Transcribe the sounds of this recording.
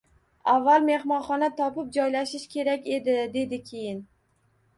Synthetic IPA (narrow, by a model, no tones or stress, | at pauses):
avːalˠme̞hmɒnχɒnat̪ʰɒpɪp̚d͡ʒɒjlaʃɪʃkʲʰe̞ɾakʲe̞d̪ɪd̪e̞d̪ɪkʲʰe̞jɪn